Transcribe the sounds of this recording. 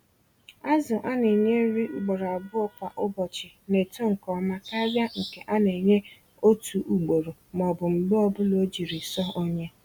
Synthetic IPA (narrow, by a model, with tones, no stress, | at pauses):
a˦zʊ˨ʔa˦ne˨ɲe˦n̩˦ɾi˦u˨ɡ͡bo˨ɾa˨bʊ˦ɔ˨pa˨ʔʊ˦bɔ˨t͡ʃɪ˨ne˨to˦ŋ̩˨kɔ˨ma˦ka˦bja˦ŋ̩˨ke˨ʔa˦ne˨ɲe˦ | o˦tʰu˨ʔu˨ɡ͡bo˨ɾo˨m˨ɔ˨bʊ˨m̩˨bʊ˦ɔ˦bʊ˦lo˦d͡ʒi˨ɾi˨sɔ˦o˦ɲe˦